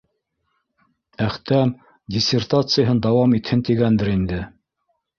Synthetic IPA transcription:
æχt̪æm | dʲɪsʲert̪at̪sɨjəɦɤnd̪ɑwɑmit̪hɘnt̪iɡænd̪ɘɾind̪ɘ

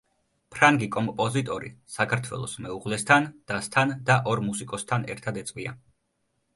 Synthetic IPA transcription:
pʰɾaŋɡikʼɔmpʼɔzit̪ʼɔɾḭsakʰaɾt̪ʰwɛ̰lˠɔsmɛuʁlɛst̪ʰand̪̥ast̪ʰand̪aʔɔɾmusikʼɔst̪ʰanɛ̰ɾt̪ʰad̪ɛt̪sʼvia̰

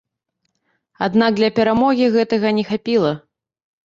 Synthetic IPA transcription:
ad̪nak̚d̪lʲɐpʲɛɾamɔɣʲiɣɛt̪ɐɣɐnʲɛxapʲilˠɐ

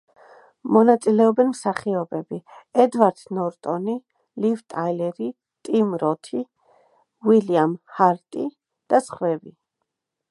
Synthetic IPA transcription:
mɔnat̪sʼilɛɔbɛnmsaχiɔbɛbiɛd̪vaɾd̪̥nɔɾt̪ʼɔni | livt̪ʼajlɛɾi | t̪ʼimɾɔt̪ʰi | wiliamhaɾt̪ʼi | d̪̥asχwɛbi

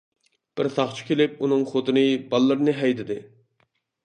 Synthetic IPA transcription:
b̥ɪɾsɑχt͡ʃʰi̥kʲelɪp̚unɨŋχot̪ʰɨnɨbɑlˠːɨɾnɨɦɛjd̪ɪd̪ɪ

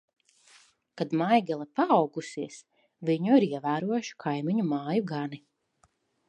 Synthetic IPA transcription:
kad̪majɡɛlˠapaːwɡusiɛs | viɲuiɾiɛvæːɾuɔjʃu̥kʰajmiɲumaːjuɡani

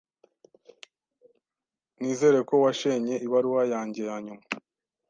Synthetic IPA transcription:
niːze̞ːɾe̞ko̞waʃeɲe̞iβaɾuwajaːɲɟe̞jaːɲuma

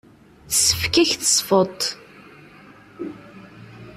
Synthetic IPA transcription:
θsəfkæçθə̥sˤfət̪ˤ

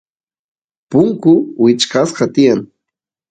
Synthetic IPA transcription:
pʊŋkʊwɪt͡ʃkɑsɢɑt̪ɪjaŋ

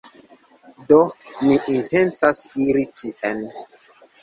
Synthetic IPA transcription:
doniʔintent͡sasiɾitʰiʔen

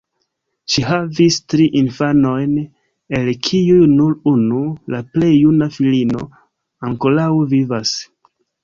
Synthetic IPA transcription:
ʃiɦavistɾiʔinfano̞jn | e̞lkʰiujnuɾunulaple̞jːunafilino̞̰ | aŋko̞lawvivas

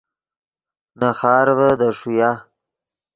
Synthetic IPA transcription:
naxɑːɾvəd̪əʂuja

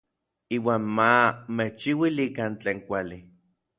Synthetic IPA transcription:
iːwaːnmameht͡ʃiwilikant͡ɬeːŋkʷali

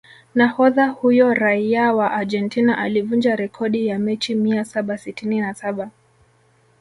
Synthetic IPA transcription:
nahɔðahujɔɾaiawaʔad͡ʒɛntinaʔalivund͡ʒaɾɛkʰɔɗijamɛt͡ʃimiasaɓasitininasaɓa

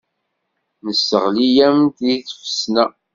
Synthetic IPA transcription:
nəsːəʁlijæmt̪iθfə̥snæ

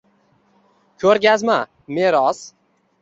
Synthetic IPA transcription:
kʲʰɵɾɡʲazma | me̞ɾɒz̥

